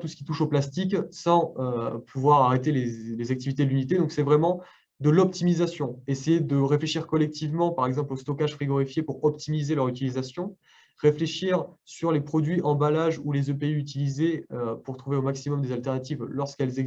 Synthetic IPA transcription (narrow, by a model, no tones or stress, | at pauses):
t̪usə̥kʲi̥t̪uʃoplast̪iksɑ̃øpʰuvwaʁaʁet̪elelezak̚t̪ivit̪ed̪əlynit̪ed̪ɔ̃ksɛvʁɛmɑ̃ | d̪əlɔp̚t̪imizasjɔ̃esejed̪əʁefleʃiʁkɔlɛk̚t̪ivmɑ̃paʁɛɡzɑ̃plost̪ɔkaʒfχiɡɔʁifjepuʁɔpt̪imizelœʁyt̪ilizasjɔ̃ | ʁefleʃiʁsyʁlepχɔd̪ɥiʔɑ̃balaʒulezøpeyyt̪̬ilizeøpuʁt̪χuveomaksimɔmd̪ezalt̪ɛʁnat̪ivlɔʁskɛlze